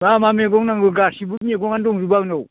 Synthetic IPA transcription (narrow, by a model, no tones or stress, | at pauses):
mamameɡɔŋnaŋɡɯɡasibut̚niɡɔŋandɔŋzubawnɔw